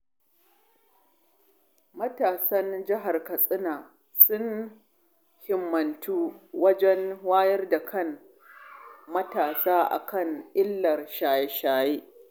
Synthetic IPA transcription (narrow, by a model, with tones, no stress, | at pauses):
mɐ˦taː˨sɐ˦nd͡ʒɪ˦ɦa˨rkɐ˨sʼɪ˦naː˨ | sʊ˦n | hɪ˨mːɐ˨ntuː˦wɐ˦d͡ʒɛ˦nwaː˦jɐ˦rda˨kʰɐ˦n | mɐ˦taː˨saː˦ʔa̰˨kɐ˦˨ŋʔɪ˦lːɐ˨rʃaː˨jɛ˦ʃaː˨jeː˦